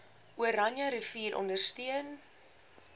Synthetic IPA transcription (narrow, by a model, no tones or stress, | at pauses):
ʔuəɾɐnjɐɾəfiːɾʔɔ̰ndərstiən